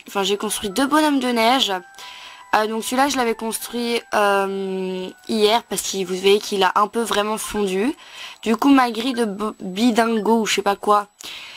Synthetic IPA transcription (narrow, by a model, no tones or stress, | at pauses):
ɑ̃fɛ̃ʒekɔ̃st̪χɥid̪øbɔnɔmd̪ənɛʒ | ød̪ɔ̃ksɥilaʒəlavɛkɔ̃st̪χɥiøm | ijɛʁpaʁsə̥kivuvajekʰilaʔɛ̃pøvʁɛmɑ̃fɔ̃d̪yd̪̥ykumaɡʁid̪əbbid̪ɛ̃ɡouʃɛpakwa